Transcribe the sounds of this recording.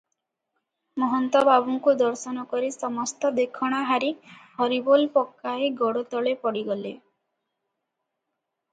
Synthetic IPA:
mɔɦɔnt̪ɔbabuŋkud̪ɔɾsɔnɔkɔɾisɔmɔst̪ɔd̪ekʰɔɽ̃aɦaɾihɔɾibolpɔkːaeɡɔɽot̪ɔɭepɔɽiɡɔlḛ

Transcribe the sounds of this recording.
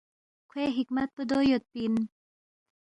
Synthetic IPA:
kʰweɦikmat̪̚pəd̪ojot̪̚pin

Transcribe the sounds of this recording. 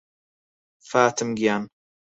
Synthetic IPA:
faːt̪ʰɨmɡijan

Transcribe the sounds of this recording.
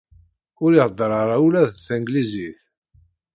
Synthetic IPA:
ʊɾiʁd̪ˤːɾˤɑɾˤalæðθəŋɡliziθ

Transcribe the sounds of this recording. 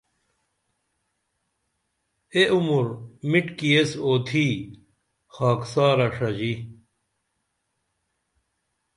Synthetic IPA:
eʔumuɾmiʈkiesoːt̪ʰiː | xaːksaːɾɐʂɐd͡ʑi

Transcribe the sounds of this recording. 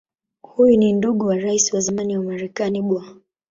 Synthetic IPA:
hujuninduɠɔwaɾaisiwazamaniwamaɾɛkaniɓwa

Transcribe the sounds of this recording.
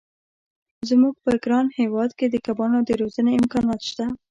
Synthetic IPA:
zmuɡ̚pəɡɾɑnhewɑd̪ked̪əkabɑnod̪əɾozəneɪmkɑnɑt̪ʃt̪a

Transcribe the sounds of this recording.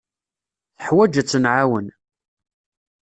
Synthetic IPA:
θəħwæd͡ʒæt͡sːənʕawən

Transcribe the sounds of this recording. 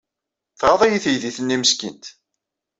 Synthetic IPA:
θʁɑðˤæjiθjðiθənːiməskḭnt̪

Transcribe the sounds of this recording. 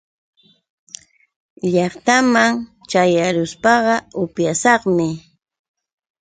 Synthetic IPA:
ʎɑχt̪amaŋt͡ʃajaɾʊspɑɢɑʊpjasɑχmɪ

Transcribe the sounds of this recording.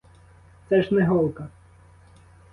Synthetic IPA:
t̪sɛʒnɛɦɔlˠkɐ

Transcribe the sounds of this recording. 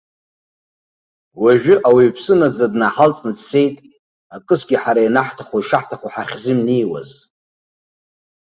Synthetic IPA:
waʒᶣʊʔawiːpʰsɨnad͡zadnaħalt͡sʼnɨdse̞jtʼ | akʼɨsɡʲiħaɾajnaħtʰaχoiʂaħtʰaχoħaχʲzɪmnijwa̰z

